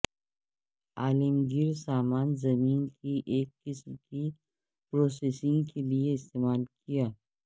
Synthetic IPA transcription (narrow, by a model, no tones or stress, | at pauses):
aːlɪmɡɪɾsaːmaːnzɐmiːnkʰiʔeːkːɪsmki | pɾoːseːsɪ̃ŋɡkelieɪst̪eːmaːlkijaː